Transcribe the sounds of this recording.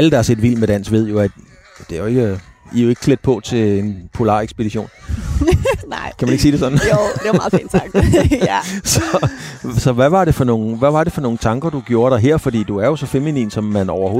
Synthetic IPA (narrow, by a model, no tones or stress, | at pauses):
æləd̥ɑæɐse̝d̥ʋil̰med̥æn̰sʋe̝ð̞̰ˠjo̝æd̥ | d̥e̝æjoe̝ɡ̥əijo̝e̝ɡ̥ə̥kʰled̥̚pʰɒ̽t͡sʰe̝lenpʰo̝lɑ̰̈ːeɡsb̥e̝d̥iɕo̝̰ːn | n̰kʰæmæneɡ̥siːd̥e̝sɒ̽d̥n̩d̥emɑ̈ːḭːn̥ʰɡ̥ | sɒ̽sɒ̽ʋæʋɑ̈ɾe̝fɒ̽no̝ːn̩ʋæʋɑ̈d̥e̝fɒ̽no̝ːŋ̩t͡sʰɑ̈ŋɡ̥ɐd̥uɡ̥jo̝ːɐɾ̥ɑ̈ɦeɐ̰fɒ̽d̥ḭːd̥uæɐjo̝sɒ̽feminḭːnsɒ̽mːænɒʊɐoː